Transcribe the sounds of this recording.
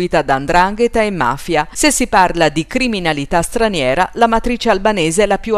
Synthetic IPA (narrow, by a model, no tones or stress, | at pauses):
iːt̪ad̪aːnd̪ɾaŋɡet̪aemːa̰ːfjasesːiparlad̪ikɾiminalit̪ast̪ɾanjɛːɾalamat̪ɾiːt͡ʃealbaneːzeɛlːapju